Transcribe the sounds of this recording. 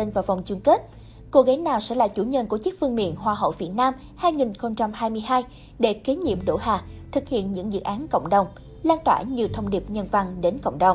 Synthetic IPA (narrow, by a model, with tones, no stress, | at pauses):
e˧nvaː˨˩va˨˩wŋ͡mt͡ɕu˧ŋke˦˥t̚ | ko˧ɣa˨˦ŋnaː˨˩wsɛ̰˧˥la̰ː˧˨˩t͡ɕu˧˩ɲə˧˩nku˧˩ət͡ɕɨ˦˥k̚fɨ˧əŋmḭ˧˨ənɦwaː˧˩ɦə̰˧˨wvi˨˩ət̚naː˧m | haː˧jŋi˨˩nxə˧wŋ͡mt͡ɕa˧mhaː˧jmɨ˧əjɦaː˧j | ɗe˧˩ki˨˦ɲḭ˧˨əmɗo̰˧˩ɦaː˨˩t̪ʰɨ˨˩k̚hḭ˧˨ənɲɨ̰˧˥ŋzɨ̰˧˨ʔaː˨˦nkə̰˧˨wŋ͡mɗə˨˩wŋ͡m | laː˧nt̪wa̰ː˧˩ɲɨ˨˧˩t̪ʰə˧wŋ͡mɗi˨˩əp̚ɲə˧nva˨˧˩ŋɗe˨˦nkə̰˧˨wŋ͡mɗə˨˩wŋ͡m